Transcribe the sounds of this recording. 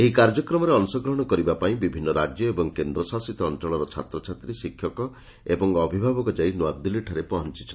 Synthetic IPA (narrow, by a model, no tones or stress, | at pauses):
eɦikaɾd͡ʒɔkɾɔmɔɾeɔnsɔɡɾɔɦɔɽ̃ɔkɔɾibapaĩbibʱinːɔɾad͡ʒjɔebɔŋkend̪ɾɔsasit̪ɔːnt͡ʃɔɭɔɾɔt͡ʃʰa̰t̪ɾɔt͡ʃʰat̪ɾisikʰːjɔkɔ | ebɔŋɔbʱibʱabɔkɔd͡ʒainuad̪iliʈʰaɾepɔɦɔnt͡ʃi̥t͡ʃʰɔn